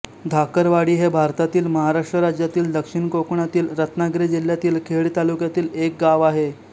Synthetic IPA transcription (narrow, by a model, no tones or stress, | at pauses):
d̪ʱakəɾʋaɽiːɦebʱaɾt̪at̪iːlməɦaɾaʂʈɾəɾad͡ʑjat̪iːld̪əkʂiɳkokɳat̪iːlɾət̪naɡɾed͡ʑil̤ːjat̪iːlkʰeɭt̪alukjat̪iːlek̚ɡaʋaɦe